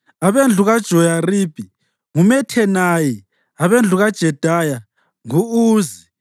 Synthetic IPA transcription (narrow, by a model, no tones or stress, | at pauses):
aβend͡ɮʱuɣad̥ʒ̥ʱɔjarib̥ʱi | ŋumɛtʰɛnaji | aβend͡ɮʱuɣad̥ʒ̥ʱɛd̥ʱaja | ŋuuːzi